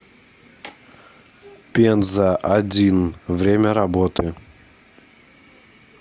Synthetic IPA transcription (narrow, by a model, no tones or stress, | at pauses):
pʲenzəʔɐdʲinvɾʲemʲəɾɐbot̪ɨ